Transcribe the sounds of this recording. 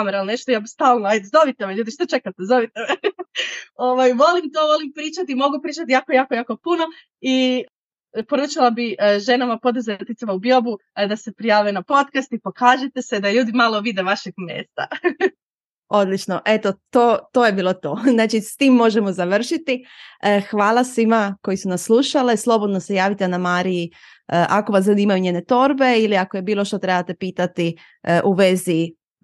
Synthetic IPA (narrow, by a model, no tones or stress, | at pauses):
ameɾalneʃt̪ojabist̪aːlˠnoezo̞ʋit̪eʋeʎuːd̪iʃt̪ot͡ʃe̞kat̪ezo̞ʋit̪ee | oʋajʋo̞limt̪oːʋo̞limpɾiːt͡ʃat̪imo̞ɡupɾiːt͡ʃat̪ijaːkojaːkojaːko̞puno̞ | i | po̞ɾuːt͡ʃilˠabiʒe̞namapo̞d̪zat̪it̪imaubjo̞bud̪ase̞pɾijaːʋenapo̞t̪kast̪ipokaːʒet̪e̞sed̪aʎuːd̪imalo̞ʋid̪eʋaʃeɡmjḛːst̪a̰ | o̞d̪lit͡ʃno̞ʔe̞t̪o̞t̪oːt̪o̞ːje̞biːlˠo̞t̪o̞znaːt͡ʃist̪iːmːo̞ʒe̞mo̞zaʋr̩ʃit̪iəxʋaːlasʋimako̞jisunasːlˠuːʃaleslˠo̞bod̪no̞se̞jaːʋit̪enamaːɾiji | əʔako̞ʋaslʎʲuːd̪iimajuɲeːne̞t̪o̞ɾbe̞iliakoje̞biːlˠo̞ʃt̪o̞t̪ɾe̞bat̪e̞piːt̪at̪i | ʔuʋezi